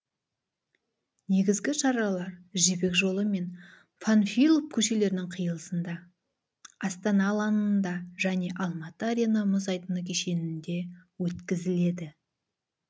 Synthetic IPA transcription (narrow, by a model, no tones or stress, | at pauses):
ne̞ɡʲɪzɡʲɪʃɑɾɑlˠɑɾʒebe̞kʒo̞lˠəme̞n | fanfijlˠop̚kʲʰɵʃe̞le̞ɾɪnɪŋqʰəjəlˠəsənd̪ɑ | ɑst̪ɑnɑlˠɑnənd̪ɑʒ̥æne̞ʔɑlˠmɑt̪əaɾʲenəmʊzɑjt̪ənəkʲʰeʃe̞nɪnd̪e̞wɵt̪kʲɪzɪle̞d̪ɪ